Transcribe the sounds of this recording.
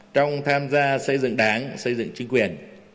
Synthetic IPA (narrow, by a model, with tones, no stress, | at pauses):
t͡ɕɔ˧wŋ͡mt̪ʰaː˧mzaː˧sə˧jzɨ̰˧˨ŋɗaː˨˦ŋsə˧jzɨ̰˧˨ŋt͡ɕi˨˦ŋ̟kwi˨˩ən